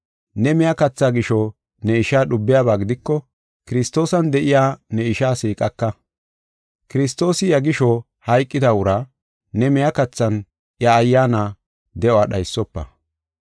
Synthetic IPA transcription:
nɛmɛjakɐt͡sːaːɡɪʃɔ | nɛɪʃaːɗʊbːɪjaːbaːɡɪd̪ɪkːɔ | kɪɾɪst̪o̞ːsɐnd̪ɛʔɪjaːnɛɪʃaːsiːkʼɐkːɐ | kɪɾɪs̬t̪o̞ːsɪjɐɡɪʃɔ | hɐjkʼːɪd̪ɐʊɾa | nɛmɛjakɐt͡sːɐn | jɐːjːaːna | d̪ɛʔwaɗɐjsːɔpːɐ̰

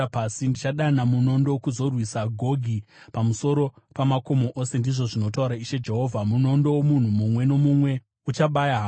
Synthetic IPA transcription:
pasindit͡ʃaɗanamuno̞ndokuzo̞rwisaɡʱo̞ɡʱi | pamuso̞ɾo | pamako̞mo̞ʔose̞ndiʐo̞ʐino̞tauɾaiʃed͡ʒe̞ɦo̞ːvʱamuno̞ndo̞womun̤umumwe̞no̞mumwe̞ | ut͡ʃaɓajaɦa

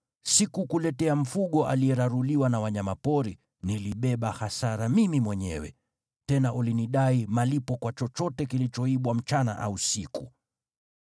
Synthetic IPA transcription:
sikukulɛtɛam̩fuɠɔʔa̰lijɛɾaɾuliwanawaɲamapɔɾi | niliɓɛɓahasaɾamimimwɛɲɛ̰wɛ̰ | tɛnaʔuliniɗaimalipɔkwat͡ʃɔt͡ʃɔtɛkilit͡ʃɔiɓwam̩t͡ʃana̰ʔa̰usiku

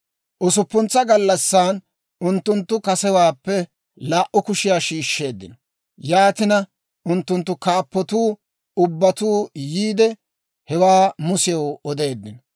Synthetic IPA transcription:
ʔɔsʊpːʊnt͡sːɐɡɐlːɐsːaːn | ʊnt̪ːʊnt̪ːʊkɐsɛwaːpːɛ | laːʔʊkʊʃɪjaːʃiːʃːe̞ːd̪ːɪ̰nɔ | jaːt̪ɪnɐ | ʊnt̪ːʊnt̪ːʊkaːpːɔt̪uː | ʊbːɐt̪uːjiːd̪ɛ | hɛwaːmʊsɪjɔwɔd̪e̞ːd̪ːɪnɔ

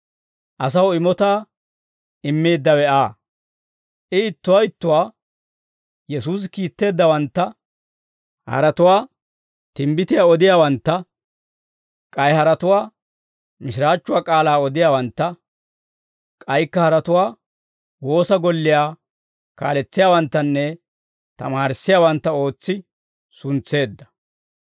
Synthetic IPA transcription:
ʔɐs̬ɐwɪmɔt̪aː | ɪmːe̞ːd̪ːɐwɛaː | ʔɪɪt̪ːʊwɐjɪt̪ːʊwaː | jɛsuːs̬kiːt̪ːe̞ːd̪ːɐwɐnt̪ːɐ | hɐ̰ɾɐt̪ʊwaː | t̪ɪmbɪt̪ɪjaːɔd̪ɪjaːwɐnt̪ːɐ | kʼɐjhɐɾɐt̪ʊwaː | mɪʃɪɾaːt͡ʃːʊwaːkʼaːlaːɔd̪ɪjaːwɐnt̪ːɐ | kʼɐjkːɐhɐɾɐt̪ʊwaː | wo̞ːsɐɡɔlːɪjaː | ka̰ːlɛt͡sːɪjaːwɐnt̪ːɐnːɛ | t̪ɐ̰maːɾɪsːɪjaːwɐnt̪ːɐo̞ːt͡sːɪ | sʊnt͡sːe̞ːd̪ːɐ̥

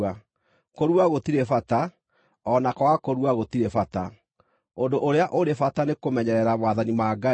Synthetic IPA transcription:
a | koɾwaɣotiɾefata | ɔnakɔwakoɾuwaɣot̪iɾefata | ondoʔoɾeaʔoɾefatanekomɛɲɛɾɛɾamwaðanimaːɡa

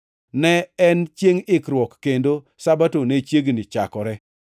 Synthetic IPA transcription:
nɛɛnt͡ʃjeŋɪkɾwɔkːendo | sabatonet͡ʃjeɡnɪt͡ʃakɔɾɛ

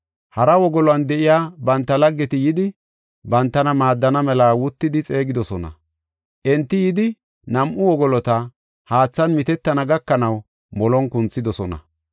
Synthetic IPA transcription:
hɐɾɐwɔɡɔlɔɐnd̪ɛʔɪjaːbɐnt̪ːɐlɐɡːɛt̪ɪjɪd̪ɪ | bɐnt̪ːɐnɐmaːd̪ːɐnɐmɛlaːwʊt̪ːɪd̪ɪt͡sʼe̞ːɡɪd̪ɔsɔnɐ̰ | ʔɛnt̪ːɪjɪd̪ɪ | nɐmʔʊwɔɡɔlɔt̪ɐ | haːt͡sːɐnmɪt̪ɛt̪ːɐnɐɡɐkːɐnɐw | mɔlɔnkʊnt͡sːɪd̪ɔsɔnɐ̰

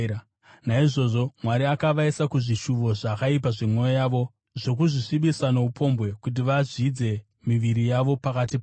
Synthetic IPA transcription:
naiʐo̞ʐo̞mwaɾiakaʋaisakuʐiʃuʋo̞ʐakaip̬aʐemwo̞jojaːʋo̞ | ʐo̞k̬uʐisiɓisano̞upʰo̞mbwe̞kut̬iʋaʐid͡ze̞ | miʋiɾijaʋo̞pakatip

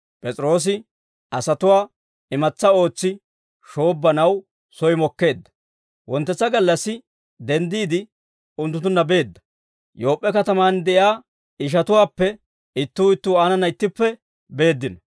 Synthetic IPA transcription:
pʼɛt͡sʼɾo̞ːs̬ɪ | ʔɐsɐt̪ʊwaː | ɪmɐt͡sːɐo̞ːt͡sːɪ | ʃo̞ːbːɐnɐw | sɔjmɔkːe̞ːd̪ːɐ̥ | wɔnt̪ːɛt͡sːɐɡɐlːɐsːɪ | d̪ɛnd̪iːd̪ɪ | ʊnt̪̬ːʊt̪̬ːʊnːɐbe̞ːd̪ːɐ̥ | jo̞ːpʼːɛkɐt̪ɐmaːnd̪ɛʔjaː | ɪʃ̬ɐt̪ʊwaːpːɛ | ɪt̪ːuːɪt̪ːuːaːnɐnɐɪt̪ːɪpːɛ | be̞ːd̪ːɪnɐ

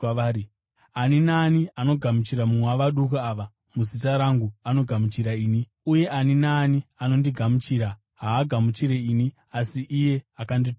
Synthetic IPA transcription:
aːi | aninaːniano̞ɡʱamut͡ʃiɾamumwaʋaɗukuaʋa | muzitaɾaŋɡuano̞ɡʱamut͡ʃiɾaiːni | uje̞ʔaninaːniano̞ndiɡʱamut͡ʃiːɾa | ɦaːɡʱamut͡ʃiɾe̞ini | asiʔije̞akandi

